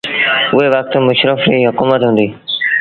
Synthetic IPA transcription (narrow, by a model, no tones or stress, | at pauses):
ʊɦeʋɐk̚t̪mʊʃɾəfɾiːɦʊkuːmət̪ɦʊ̃ːnd̪iː